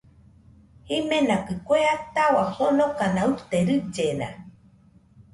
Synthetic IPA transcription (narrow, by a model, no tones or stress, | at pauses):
himenakɨkʷeat̪awasonokanaut̪eɾɨd͡ʒena̰